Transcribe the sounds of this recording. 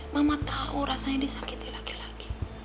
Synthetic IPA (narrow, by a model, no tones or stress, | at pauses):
mamat̪auɾasãdisakit̪ilaki̥laki̥